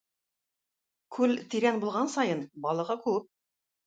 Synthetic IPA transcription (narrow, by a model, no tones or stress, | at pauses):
kʰʉlt̪iɾænbulˠʁɑnsɑjɤnbɑlˠɤ̆ʁɤkʉp̚